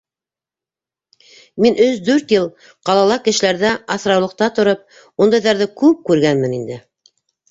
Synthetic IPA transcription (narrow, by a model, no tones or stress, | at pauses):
minʔɵzd̪ʉɾt̪jɤlˠ | qɑlˠɑlˠɑkɘ̆ʃɘ̆læɾðæɑθɾɑwlˠɤ̆q̚t̪ɑt̪ŏɾɤp̚ | und̪ɑjðɑɾðɘkʉp̚kʉɾɡænmɘ̆nind̪ɘ